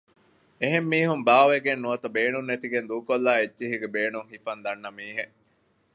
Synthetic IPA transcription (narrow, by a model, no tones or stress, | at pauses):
eɦemːiːɦumbaːʋeɡenːuɐt̪ɐbeːnunːet̪iɡend̪uːkolːaːetːʃiɦiɡebeːnuŋhifɐnd̪ɐnːɐmiːɦe